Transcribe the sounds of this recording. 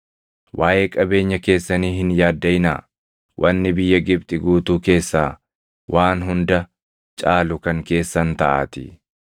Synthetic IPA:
wʔaːʔe̞ːkʼɐbe̞ːɲːɐke̞ːsːɐniːhɪnjaːd̪ːɐjɪna̰ː | wʔɐnːɪbɪjːɐɡɪb̚t̪ʼɪɡuːt̪uːke̞ːsːaː | wʔaːnɦʊnd̪ɐ | t͡ʃʼaːlʊkɐŋke̞ːsːɐnt̪ɐʔa̰ːt̪ɪ̰

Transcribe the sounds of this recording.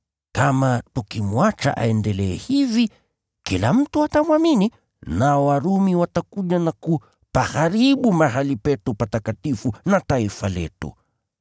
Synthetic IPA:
kamatukimwat͡ʃa̰ʔa̰ɛndɛlɛɛhivi | kilam̩tuatamwamini | naɔwaɾumiwatakuʄanaku | pahaɾiɓumahalipɛtupatakatifunataifalɛ̰tṵ

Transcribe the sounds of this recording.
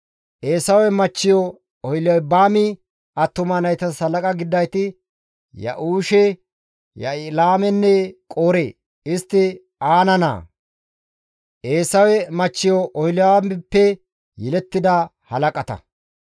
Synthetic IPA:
ʔe̞ːsɐwɛmɐt͡ʃːɪjɔ | ɔjlɐjbaːmɪ | ɐt̪ːʊmɐnɐjt̪ɐsɐlɐkʼɐɡɪd̪ːɐjt̪ɪ | jɐ̰ʔuːʃɛ | jɐ̰laːmɛnːɛkʼoːɾḛː | ɪst̪ːɪ | aːnɐna̰ː | ʔeːsɐwɛmɐt͡ʃːɪjɔʔɔjlɪamɪpːɛ | jɛlɛt̪ːɪd̪ɐ | hɐlɐkʼɐt̪ɐ̰

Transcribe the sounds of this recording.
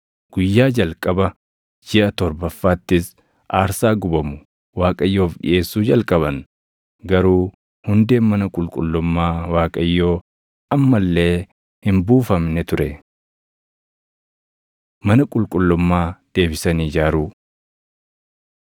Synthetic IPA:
ɡ̥ʊjːaːd͡ʒɐlkʼɐbɐ | d͡ʒɪʔɐt̪ɔɾbɐfːaːt̪ːɪs | ʔaːɾsaːɡʊbɐmʊ | waːkʼɐjːoːfɗɪ̰ʔe̞ːsːuːd͡ʒɐlkʼɐβɐn | ɡɐɾuː | hʊnd̪e̞ːmɐnɐkʼʊlkʼʊlːʊmːaːwaːkʼɐjːoː | ʔɐmːɐlːe̞ː | hɪmbuːfɐmnɛt̪ʊɾɛ | mɐnɐkʼʊlkʼʊlːʊmːaːd̪̥e̞ːbɪsɐniːd͡ʒaːɾuː

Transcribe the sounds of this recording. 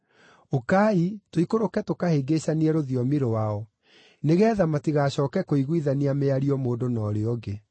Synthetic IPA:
okaːitoikoɾokɛtokaheɡeɕaniɛɾoðiɔmiɾowaɔ | neɣɛːðamatiɣaɕɔːkɛkoiɣwiðaniameaɾiɔmoːdonɔːɾeɔɡe

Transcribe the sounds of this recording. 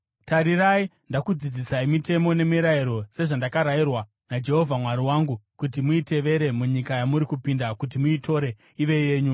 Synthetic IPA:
taɾirai | ndakud͡zid͡zisaimite̞mo̞ne̞miɾaiɾo̞se̞ʐandakaɾairwa | nad͡ʒe̞ɦo̞vʱamwaɾiwaːŋɡukutimuite̞ʋe̞ɾe̞muɲikajamuɾikupindakutimuito̞ɾe̞ | iʋe̞je̞ːɲu

